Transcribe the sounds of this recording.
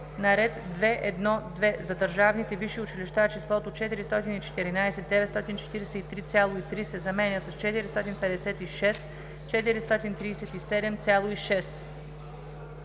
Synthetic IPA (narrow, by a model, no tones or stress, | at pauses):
nɐɾɛt̪d̪vɛʔɛd̪nɔd̪vɛzɐd̪əɾʒavnit̪ɛviʃiʊt͡ʃiliʃt̪at͡ʃislˠɔt̪ot͡ʃɛt̪iɾist̪ɔt̪init͡ʃɛ̥t̪ɛɾinaɛsɛt̪̚d̪ɛvɛt̪st̪ɔt̪int͡ʃɛ̥t̪iɾɛsɛit̪ɾit̪sʲjalˠoit̪ɾisɛzɐmɛnʲjəsɐst͡ʃɛt̪iɾist̪ɔt̪inpɛd̪ɛsɛt̪iʃɛs | t͡ʃɛt̪iɾist̪ɔt̪int̪ɾiːsɛt̪isɛd̪ɛmt̪sʲalˠoiʃɛs